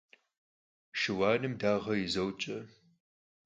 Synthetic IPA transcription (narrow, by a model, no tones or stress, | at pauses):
ʃɨwaːnɨmdaːʁɐjɪzɐwt͡ʃʼɐ